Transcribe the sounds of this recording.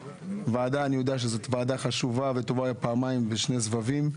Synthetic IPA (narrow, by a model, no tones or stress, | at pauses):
vaːd̪aːnijod̪eaʃ̬ezot̪vaːd̪aχaʃuvavet̪o̞vajapaːmajmbeʃne̞zvavim